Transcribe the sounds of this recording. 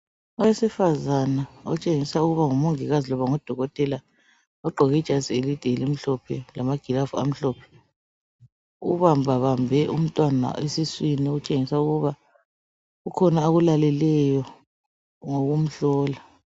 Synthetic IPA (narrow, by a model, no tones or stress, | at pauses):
ɔwesifazanaɔ̰t͡ʃʼeŋisauɣuβaŋumoŋiɣazilɔβaŋɔd̥ʱɔɣɔtʼɛla | ɔɡ͡ǃʱɔɣi̥t͡ʃʼazielid̥ʱelim̩ɬɔpʰɛlamaɡ̥ʱirafa̰m̩ɬɔpʰɛ̥ | ṵβambʱaβambʱɛʔṵm̩tʼwana̰esiswiniut͡ʃʼeŋisauɣuβa | ɣukʰɔnaoɣulalɛlɛjɔ | ŋoɣum̩ɬɔːla